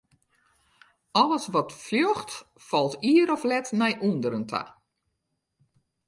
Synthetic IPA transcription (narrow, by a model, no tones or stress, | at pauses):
ɔlˠəsʋɔtfljɔxt | fɔlˠtiːəɾɔflɛtnɛjʔuəndəɾəntʰa̰